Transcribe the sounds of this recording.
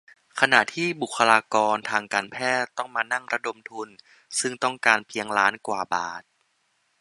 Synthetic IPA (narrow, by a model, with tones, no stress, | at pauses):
kʰa˧na˨˩ʔt̪ʰiː˥˩bu˨˩kʰːa˧laː˧kɔː˧nt̪ʰaː˧ŋkaː˧npʰɛː˥˩t̪ːɔ˥˩ŋmaː˧na˥˩ŋɾa˧do˧mt̪ʰu˧n | sɯ˥˩ŋt̪ɔ˥˩ŋkaː˧npʰi˧əŋlaː˦˥nkwaː˨˩baː˨˩t̪̚